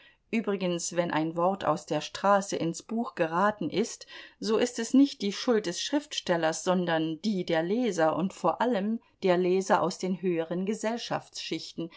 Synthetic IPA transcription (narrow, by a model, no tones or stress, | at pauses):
ʔyːbʁɪɡənsv̥ɛnʔa̰ɪnvɔʁtʰa̰ʊsd̥eːɐʃtʁ̥aːsəʔɪnsb̥uːxɡ̥əʁaːtn̩ʔɪstz̥oːʔɪstɛsnɪçt̚d̥iːʃʊlt̚d̥ɛsʃʁ̥ɪftʃtɛlɐsz̥ɔndɐnd̥iːdeːɐlɛːzɐʔʊntfoːɐʔaləm | d̥eːɐlɛːzɐʔa̰ʊsd̥eːnɦøːəʁənɡəzɛlʃa̰ft͡sʃɪçtn̩